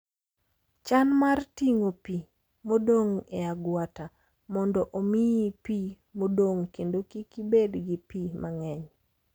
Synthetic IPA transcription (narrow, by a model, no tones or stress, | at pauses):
t͡ʃanmartiŋopi | modoŋeaɡwata | mɔndɔʔomijipi | modoŋkendokikibedɡɪpimaŋɛɲ